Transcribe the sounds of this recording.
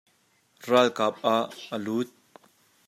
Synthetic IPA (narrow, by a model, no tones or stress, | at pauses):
ralkap̚ʔaʔəluːt̪̚